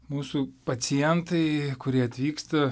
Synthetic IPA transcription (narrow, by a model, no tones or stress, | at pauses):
muːsuːpɐsʲɪjɛnt̪ɐɪkʊɾʲiɛɐt̪ʲʋʲiːkst̪ɐ